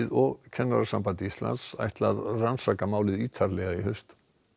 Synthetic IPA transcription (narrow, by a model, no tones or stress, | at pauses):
ɪðɔɣcʰɛnːaɾaɾsampant̪ɪist̪la̰nt̪sa̰jht̪laðransakamaːwlɪðiːt̪ʰaɾlɛɣaiɦhœst̪